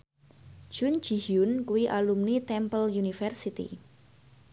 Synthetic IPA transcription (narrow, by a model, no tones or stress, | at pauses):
ʒ̥ʊn̥d͡ʒ̥i̤hʊnkuwiʔalumnit̪ɛmpəljunifɛrsit̪ḭ